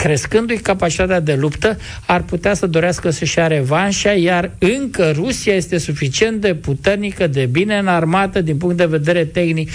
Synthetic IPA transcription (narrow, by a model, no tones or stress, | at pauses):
kɾe̞skɨnd̪ujkapat͡ʃit̪at̪ead̪e̞lupt̪ə | arput̪easəd̪o̞ɾeaskəsəʃiaɾe̞vanʃajarɨŋkərusijaje̞st̪e̞sufit͡ʃie̞nt̪̚d̪e̞put̪e̞rnikəd̪e̞bine̞ɨnarmat̪əd̪inpuŋkt̪̚d̪e̞ve̞d̪e̞ɾe̞t̪e̞xnik